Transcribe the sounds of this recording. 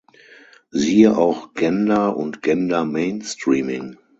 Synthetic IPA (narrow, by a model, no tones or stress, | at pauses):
ziːəʔaʊxɡ̥ɛndɐʔʊ̰ntɡ̥ɛndɐmeɪnstʁiːmɪŋ